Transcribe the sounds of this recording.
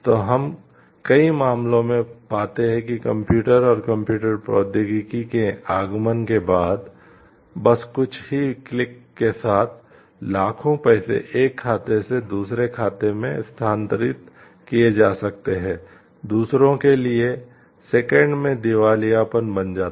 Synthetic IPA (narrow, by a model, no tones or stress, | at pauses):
t̪oːɦɐm | kɐimaːmlõmẽpaːt̪eɦɛ̃kikɐ̃mpjuːʈəɾɔːɾkɐ̃mpjuːʈəɾpɾɔːd̪ɪɡikikeaːɡmənkebaːd̪ | bɐskʊt͡ʃʰɦiklɪkːesaːt̪ʰ | laːkʰõpɛːsḛʔeːkʰːaːt̪esed̪uːsɾekʰaːt̪emẽst̪ʰaːnt̪əɾɪt̪ | kied͡ʒaːsɐk̚t̪eɦɛ̃ː | d̪uːsɾõkelie | sekɛ̃ɳɖmẽd̪ɪʋaːlijapənbɐnd͡ʒaːt̪